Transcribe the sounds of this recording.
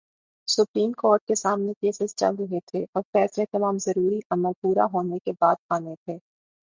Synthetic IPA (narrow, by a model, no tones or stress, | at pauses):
sʊpɾiːmkɔːɾʈ̚kesaːmnekeːsɪzt͡ʃɐ̰lɾʊɦet̪ʰeʔɔːɾfɛːslet̪ɐmaːmzɐɾuːɾiʔɐməlpuːɾa̰ɦoːnekebaːd̪̚aːnet̪ʰeː